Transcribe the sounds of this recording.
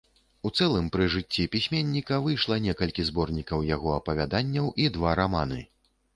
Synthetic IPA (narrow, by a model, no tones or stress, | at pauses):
ut̪sɛlˠɨmpɾɨʐɨt͡sʲːipʲisʲmʲenʲːikɐvɨjʂlˠɐnʲɛkɐlʲkʲizbɔrnʲikɐwjaɣɔɐpɐvʲad̪anʲːɐwʔid̪vaɾamanɨ̰